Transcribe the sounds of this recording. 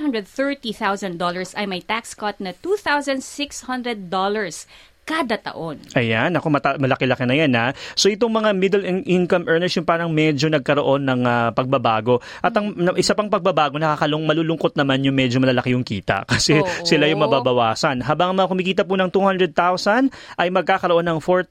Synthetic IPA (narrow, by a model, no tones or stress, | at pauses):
hɐ̃nd̪ɛd̪̚θɛɹt̪iθawzɐ̃nd̪ɔlɐɹsɐjmɐjt̪akskɔt̪̚nɐt̪uθawzɐnd̪sɪkshɐ̃nd̪ɾɛd̪̚ːolɐɹs | kad̪ɐt̪ɐ̰ʔonʔɐjanɐko̞mɐt̪amɐlɐkɛlɐkɛnɐjanaso̞ʔɪt̪oŋmɐŋamɪd̪ɛlʔɪnkɐmʔɛːɹnɛɹsjʊŋpaːɾɐŋmɛd͡ʒo̞nɐɡ̚kɐɾoʔo̞nːɐŋapɐɡ̚bɐbaːɡo̞ | ʔɐt̪ɐŋɐʔɪsapɐŋpɐɡ̚bɐbaːɡo̞nɐkaːkɐlʊŋmɐluːlʊŋko̞t̪̚nɐmanjʊŋmɛd͡ʒomɐlɐlɐkɪjʊŋkḭːt̪ɐ̰kɐsɛsɪlajʊŋmɐbabɐwaːsɐnɦaːbaŋɐŋmɐŋakʊmɪkiːt̪̬ɐpunɐŋt̪uːhɐnd̪ɾɛd̪̚t̪awsɐn | ʔɐjmɐɡ̚kaːkɐɾo̞ʔo̞nɐŋfoɹt̪